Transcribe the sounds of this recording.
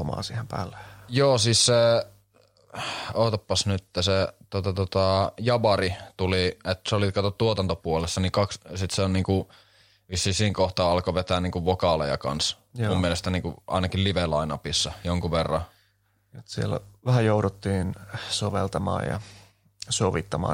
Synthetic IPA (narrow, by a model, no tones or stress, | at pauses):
omɑ̰ːnsiːhempæ̰ːlːe̥joːsiːsse | oˑːt̪ɑpːɑsnyt̪ːæset̪ot̪ɑt̪ot̪ɑjɑʋɑrit̪uliet̪ːseolit̪kɑt̪ott̪uot̪ɑnt̪opuolesːɑnikɑkssit̪seonniːŋku | ʋisːisiːŋkoht̪ɑːɑlkoʋet̪æːniːŋkuʋʋokɑlḛjɑ̰kɑ̰ns | mumːielest̪ɑniːŋkuʔɑ̰inɑkilliʋelɑinɑpisːɑjoŋkuʋerːɑ̰ | et̪siḛlæ̰ʋæhæjouɾut̪ːiːnsoʋḛlt̪ɑmɑ̰ːjɑ̰ | soʋit̪ːɑmɑ̰ː